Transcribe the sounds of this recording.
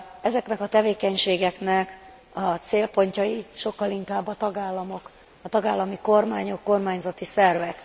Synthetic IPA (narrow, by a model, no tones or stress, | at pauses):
ɛzɛknɛkɒt̪ɛveːkɛɲʃeːɡɛknɛk | ɒt̪seːlpo̞ɲcɒiʃo̞kːɒliŋkaːbːɒt̪ɒɡaːlːɒmo̞k | ɒt̪ɒɡaːlːɒmiko̞rmaːɲo̞kːo̞rmaːɲzɒt̪isɛrvɛk